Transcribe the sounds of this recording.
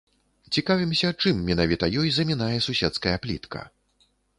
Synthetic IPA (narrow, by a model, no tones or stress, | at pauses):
t͡sʲikavʲimsʲɐt͡ʂɨmːʲɛnavʲit̪ɐjɔjzɐmʲinajɛsusʲɛt̪skɐjɐplʲḭt̪kʰɐ̰